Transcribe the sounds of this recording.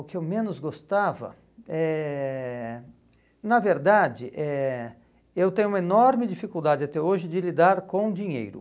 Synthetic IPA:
ʊkɪewmẽnʊzɡost̪avɐ̰ | ɛ | nɐveɾd̪ad͡ʒɪʔɛ | ewt̪ẽɲʊũmɐenɔɾmɪd͡ʒifikuwd̪ad͡ʒɪat̪ɛoʒɪd͡ʒɪlid̪aɾkõd͡ʒiɲḛjɾʊ̰

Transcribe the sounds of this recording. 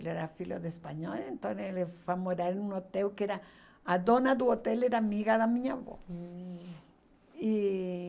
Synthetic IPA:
leɾafiloðespaɲolent̪õnelefamoɾaɾenũnot̪ewkeɾa | ad̪onad̪uot̪eleɾamiɣaðamĩɲaβo̰ | i

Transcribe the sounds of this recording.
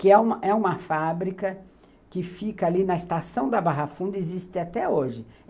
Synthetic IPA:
kɪɛũmɐʔɛũmɐfabɾikɐ | kɪfikɐalinɐest̪asɐ̃w̃d̪ɐbaɦafũnd̪ʊezist̪ɪat̪ɛoʒɪ

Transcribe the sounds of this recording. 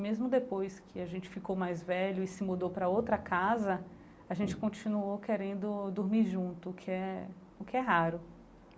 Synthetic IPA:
mezmʊd̪epojskʰɪaʒẽnt͡ʃɪ̥fikowmajzvɛʎʊɪsɪmud̪owpɾɐowt̪ɾɐkazɐ | aʒẽnt͡ʃɪ̥kõt͡ʃĩnuokeɾẽnd̪ʊd̪uɾmiɾʒũt̪ʊːkʰɪɛ | ʊkɪɛɦaɾʊ

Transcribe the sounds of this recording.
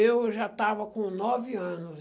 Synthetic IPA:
ewʒat̪avɐkõnɔvɪɐ̃nʊz

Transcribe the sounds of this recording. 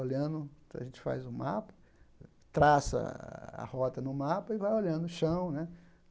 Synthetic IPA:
olɐ̃d̪ʊɐʒẽt͡ʃɪ̥fa̰jzʊmapɐ̥ | t̪ɾasɐ̰a̰hɔt̪ɐnʊmapɐɪvajoʎɐ̃d̪ʊʊʃɐ̃w̃nɛ

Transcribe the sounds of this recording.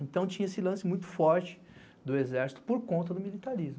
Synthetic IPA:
ẽnt̪ɐ̃w̃t͡ʃĩɲɐesɪlɐ̃sɪmũj̃t̪ʊ̥fɔɾt͡ʃɪ̥ | d̪ʊezɛɾsi̥t̪ʊ̥poɾkõnt̪ɐd̪ʊmilit̪aɾizmʊ

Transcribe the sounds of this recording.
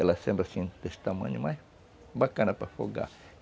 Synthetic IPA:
elasembɾasĩnt̪est̪amɐ̰̃ɲumaj | bakanapafo̰ɡa̰

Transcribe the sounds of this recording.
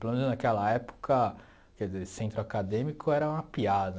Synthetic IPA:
elomẽnʊznakɛlɐɛpo̥kʰɐ | kɛdizesẽnt̪ɾʊakad̪ẽmikʊɛɾɐũmɐpiad̪ɐ

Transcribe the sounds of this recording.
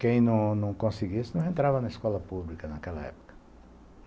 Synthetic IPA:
kẽj̃nɐ̃w̃nɐ̃w̃kõsiɡisɪnɐ̃w̃ẽnt̪ɾavɐnɐiskɔlɐpublikɐnɐkɛlɐ̰ɛ̰po̥kɐ̥

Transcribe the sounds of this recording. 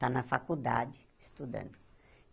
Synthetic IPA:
t̪anɐfakud̪a̰d͡ʒɪ | ist̪ud̪ɐ̰̃nd̪ʊ

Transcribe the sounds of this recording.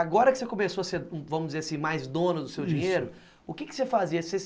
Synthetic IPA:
aɡɔɾɐkɪ̥sekomesoɐseɾvɐ̃mʊzd͡ʒɪzeɾasĩmajzd̪õnʊd̪ʊsewd͡ʒĩɲejɾʊ | ʊkɪkɪ̥sefaziɐse

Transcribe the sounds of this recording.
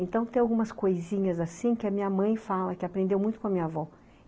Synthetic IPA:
ẽnt̪ɐ̃w̃t̪ẽj̃awɡũmɐskojzĩɲɐzasĩkɪɐmĩɲɐmɐ̃j̃falɐkɪapɾẽnd̪ewmũj̃t̪ʊ̥kõɐmĩɲɐavɔ

